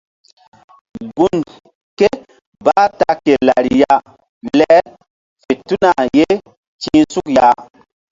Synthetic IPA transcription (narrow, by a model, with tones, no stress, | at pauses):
ɡu˨n | ke˦ | ba˦ta˨ke˨la˨ɾi˨ja˦ | lɛ˦ | fe˨tu˦na˨je˦ | t͡ʃi˦su˦kja˨˦